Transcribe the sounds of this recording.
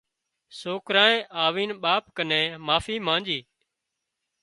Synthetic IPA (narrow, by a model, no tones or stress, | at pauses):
soːkɾãːẽːʔaːʋiːnɓaːpkənẽːmaːfiːmãːnd͡ʒiː